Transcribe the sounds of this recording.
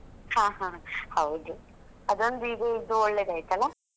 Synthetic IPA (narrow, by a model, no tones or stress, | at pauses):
hãːɦãhɐwd̪uɐd̪ond̪uiːɡɐid̪ːuɔɭːeːd̪ɐjt̪ɐlːɐ